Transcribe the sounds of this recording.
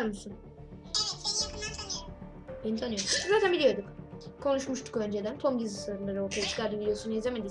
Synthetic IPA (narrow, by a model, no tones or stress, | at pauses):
ɾmusun | benisʰanɯjomszaːt̪ʰænbilʲijo̞ɾd̪ukkʰo̞nuʃmuʃt̪ʰu̥kø̞nd͡ʒed̪ænt̪ʰo̞mɟizɯslaɾɯnˠaɾɯoɾt̪ʰajat͡ʃʰi̥kaɾd̪ɯvid̪ejo̞sunizʲemed̪i